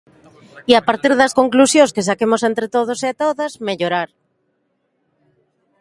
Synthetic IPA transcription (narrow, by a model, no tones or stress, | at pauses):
iapaɾt̪iɾðɐskoŋklusjõŋskesakemosent̪ɾet̪oð̞oseat̪oðazmeʎoɾaɾ